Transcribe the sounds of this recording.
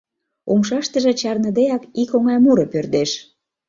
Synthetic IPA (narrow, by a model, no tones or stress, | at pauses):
umʃɑʃt̪ə̆ʒĕt͡ɕɑrnə̆d̪ejɑkikoŋɑjmuɾɤ̆pørd̪eʃ